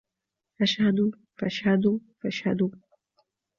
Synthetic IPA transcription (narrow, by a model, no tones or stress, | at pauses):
ʔaʃhad̪u | faʔʃhad̪ufaʃhad̪u